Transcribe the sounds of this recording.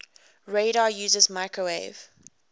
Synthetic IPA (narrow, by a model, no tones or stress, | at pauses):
ɹeɪɾajuːzəzmaɪkɹəḛɪv̥